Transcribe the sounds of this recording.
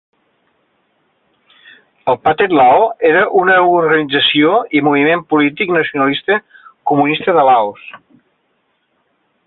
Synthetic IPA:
əlˠpat̪et̪laoeɾəʔunəuɾɣənid͡zəsioimuβimempulit̪iknəsiunəlist̪əkumunist̪əðəlaos

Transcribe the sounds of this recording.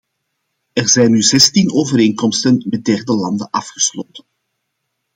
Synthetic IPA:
ɛrzɛjnːyzɛstinoːvəɾeːŋkɔmstənmɛt̚dɛrdəlɑndənʔɑfxə̥sloːtən

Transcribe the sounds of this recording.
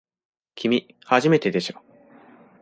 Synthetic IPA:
kʲimʲi | haʑime̞t̪e̞d̪e̞ɕo

